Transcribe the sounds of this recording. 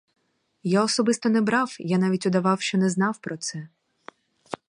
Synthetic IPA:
jaɔsɔbɪst̪ɔnɛbɾɑwjanɑʋʲitʲʊd̪ɐʋɑwʃt͡ʃɔnɛznɑwpɾɔt̪sɛ

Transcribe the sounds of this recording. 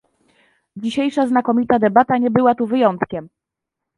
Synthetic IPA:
d͡ʑiɕejʂaznakɔmʲit̪ad̪ɛbat̪aɲɛbɘwat̪uvɘjɔnt̪kʲɛm

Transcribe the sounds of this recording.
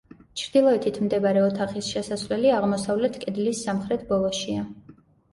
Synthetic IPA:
t͡ʃʰɾd̪ilˠɔɛt̪ʰit̪ʰmd̪ɛbaɾɛɔt̪ʰaχisʃɛsasvlɛliaʁmɔsavlɛt̪ʰkʼɛd̪lisːamχɾɛt̪ʰbɔlˠɔʃia

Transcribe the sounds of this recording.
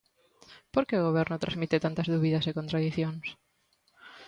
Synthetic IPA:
poɾkeoɣ̞oβ̞ɛɾnʊt̪ɾazmit̪et̪ant̪ɐzðuβiðɐsekõnt̪ɾaðiθjoŋs

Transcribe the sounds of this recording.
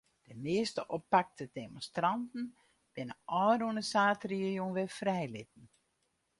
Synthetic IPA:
d̥əmɪəstəʔɔpak̚tʰədemõnstrantn̩ | b̥ɪnəʔɔːrunəsaːtriəjonʋɛfrɛjlɪt̚n̩

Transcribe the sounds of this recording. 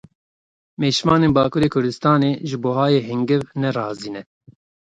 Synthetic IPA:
meːʃmɑːneːnbɑːkuːɾeːkʰʊɾd̪ɨst̪ɑːneːʒɨboːɦɑːjeːɦɪŋɡɪvnɛrɑːziːnɛ

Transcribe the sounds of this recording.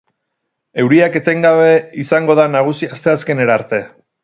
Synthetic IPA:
e̞wɾiake̞t̪e̞ŋɡaβ̞e̞isaŋɡo̞ðanaɣ̞usiast̪e̞aske̞neɾaɾt̪e̞

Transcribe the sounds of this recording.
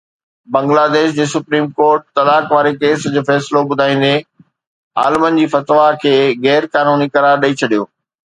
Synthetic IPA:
bɐ̃ŋɡlaːd̪eːʃd͡ʑeːsʊpɾiːmkoːɾʈ̚t̪ɐlaːkʋaːɾekeːsd͡ʑoːfɛːsɪloɓʊd̪ʱaːĩːn̆d̪e | a̰ːlmənɪ̆d͡ʑiːfɐt̪ʋakʰeːɣɛːɾkaːnuːnikɐɾaːɾɗɐit͡ɕʰɐɗijoː

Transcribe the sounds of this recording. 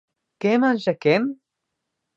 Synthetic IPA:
kemanʃɐkem

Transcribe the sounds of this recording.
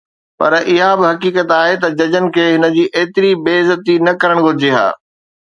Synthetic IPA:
pɐ̰ɾʔɪɦabɪɦɐkiːkət̪aːɦet̪ɐd͡ʑɐd͡ʑənɪ̆kʰeːɦɪnə̆d͡ʑiːʔeːt̪ɪɾibeːzət̪inɐkɐɾəɽ̃ɡʱʊɾɪd͡ʑeɦa̰ː

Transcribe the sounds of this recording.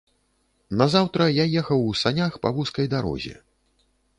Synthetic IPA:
nɐzawt̪ɾɐjajɛxɐwsanʲaxpɐ̰vuskɐjd̪aɾɔ̰zʲɛ̰

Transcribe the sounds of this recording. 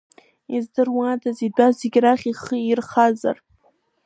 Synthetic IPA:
izdɨrwadazidʷazeɡʲraχʲiχəirχaza̰r

